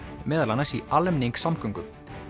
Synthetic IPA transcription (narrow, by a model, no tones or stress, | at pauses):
mɛːðalanːasialːɛmniŋksamkʰœŋkʏm